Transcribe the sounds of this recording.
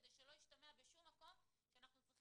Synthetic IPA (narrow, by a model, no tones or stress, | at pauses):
d̪ejʃelo̞jiʃt̪ameabeʃumːako̞mʃeanaχnufut